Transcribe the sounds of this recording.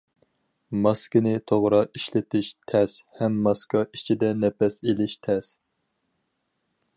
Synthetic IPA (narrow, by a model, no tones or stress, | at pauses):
mɑskʲɪnɪt̪ʰoʁɾɑiʃlɪt̪ʰɪʃt̪ʰɛshɛmːɑskɑi̥t͡ʃʰid̪ɛnɛpɛselɪʃt̪ʰɛs